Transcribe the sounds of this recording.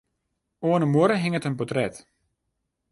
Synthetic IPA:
oːənəmwoəɾəɦɪŋətənpɔtrɛt

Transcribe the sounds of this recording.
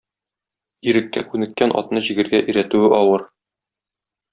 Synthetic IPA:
iɾɘ̆kːækʉnɘ̆kːænʔɒ̰t̪nɤʑĭɡɘ̆ɾɡæʔiɾæt̪ʉɘʔɒwɤɾ

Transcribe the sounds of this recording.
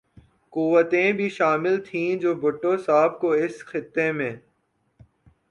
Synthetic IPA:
kuʋət̪ẽbʱiʃaːmɪlt̪ʰĩːd͡ʒoːbʱʊʈːosaːb̚koɪsxɪt̪ːemẽː

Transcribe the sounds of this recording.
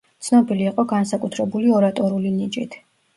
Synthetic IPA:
t̪sʰnɔbiliːqʼɔɡansakʼut̪ʰɾɛbuliɔɾat̪ʼɔɾulinit͡ʃʼḭt̪ʰ

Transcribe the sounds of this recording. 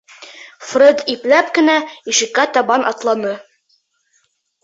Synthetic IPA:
frɘd̪iplæpkɘ̆næiʃɘ̆kːæt̪ɑbɑnʔɑt̪lˠɑnɤ

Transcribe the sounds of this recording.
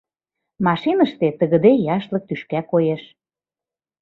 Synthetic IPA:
mɑʃinəʃt̪et̪əɣə̆d̪ejɑʃlɤ̆k̚t̪yʃkækojeʃ

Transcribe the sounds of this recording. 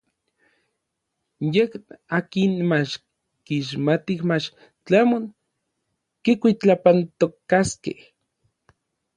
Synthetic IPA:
jekaːkinmat͡ʃ | kiʃ̬mat̪ihmat͡ʃ | t͡ɬamoŋ | kikʷit͡ɬapant̪okːaskḛh

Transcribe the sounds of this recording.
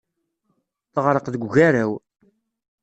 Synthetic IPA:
θəʁɾəqðəɡʷʝæɾæw

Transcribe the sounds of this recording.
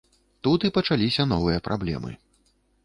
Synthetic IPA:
t̪ut̪ipɐt͡ʂalʲisʲɐn̪ɔvɨjɐpɾʔablʲɛ̰mɨ̰

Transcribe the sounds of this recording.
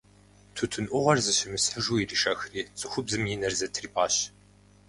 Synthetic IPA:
tʰutʰɨnʔʷʊʁɐrzɨɕɪmɨsħəʒuːiriʃɐxriːsʼɨxʷʊbzɨmjinɐrzɐtʰriːpʰʼaːɕ

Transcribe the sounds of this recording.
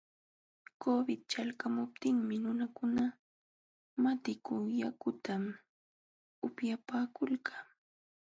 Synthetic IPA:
kobɪt̪̚t͡ʃalkamʊp̚t̪ɪŋmɪnʊnakʊna | mat̪ɪkʊjakʊt̪am | ʊpjapaːkʊlkaː

